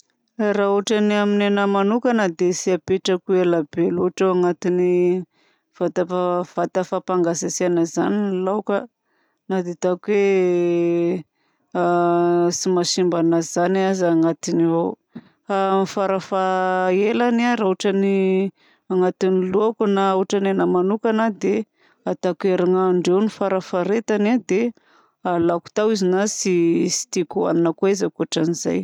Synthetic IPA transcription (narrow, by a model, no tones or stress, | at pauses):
rauaʈ͡ʂaniaminanəmanukənad̪esiapeʈ͡ʂakuelabeluaʈ͡ʂawaŋat̪ini | v̥at̪aav̥at̪afapaŋɡasasianaza̰nilawka | nad̪et̪akuwe | simaʃimbanazanazaŋat̪inivow | anifaɾafaelanaɾauʈ͡ʂani | aŋat̪iniluakunauʈ͡ʂananamanukanad̪e | at̪akeɾaŋaːɳɖ͡ʐewnifaɾafaɾet̪anad̪e | alaku̥t̪awizinasisi̥t̪ikua̰ninakweizakuaʈ͡ʂaniza̰j